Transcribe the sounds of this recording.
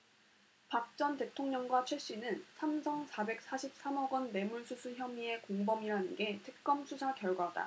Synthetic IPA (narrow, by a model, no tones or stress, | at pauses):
pak̚t͡ɕ͈ʌnte̞tʰoŋɲʌŋɡwat͡ɕʰwe̞ɕ͈inɯnsʰamsʰʌŋsʰabe̞k̚s͈aɕʰip̚s͈amʌɡʌnːe̞muɭsʰusʰuçjʌmie̞koŋbʌmiɾanɯnɡe̞tʰɯ̥k̚k͈ʌmsʰusʰakjʌɭɡwada̰